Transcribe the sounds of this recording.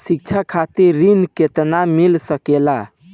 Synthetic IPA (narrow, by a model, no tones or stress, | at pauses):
sik̚t͡ʃʰakʰat̪iɾːinket̪namilsəkela